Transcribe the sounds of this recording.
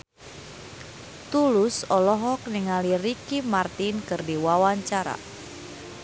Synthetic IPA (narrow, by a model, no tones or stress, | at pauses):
t̪ulʊsɔlɔɦɔk̚niŋalirikimart̪inkɨrdiwawaɲt͡ʃaɾa̰